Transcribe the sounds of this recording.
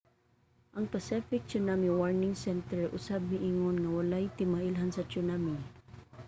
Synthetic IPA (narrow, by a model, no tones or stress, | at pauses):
ʔɐŋpasifɪk̚t͡ʃʊnamiwaɹnɪŋsɛnt̪ɛɹʔʊ̰sab̚hɪʔiŋʊnŋawalajt̪ɪmaʔɪlɦansɐt͡ʃʊnami